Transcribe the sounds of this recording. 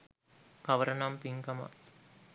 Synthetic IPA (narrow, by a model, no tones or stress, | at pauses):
kɐʋɐɾɐnaːmpiŋkɐma̰